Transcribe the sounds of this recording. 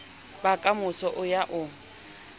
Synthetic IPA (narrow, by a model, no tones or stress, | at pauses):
bakʼamʊsɔʔʊjaʔʊ